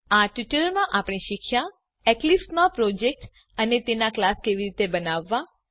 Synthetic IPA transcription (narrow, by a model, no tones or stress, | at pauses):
aʈiʈəmãʔapɽ̃ĩʃikʰʃja | ɛklismãpɾod͡ʒek̚ʈ | ənet̪enaklaskeʋiɾit̪ebənaʋːã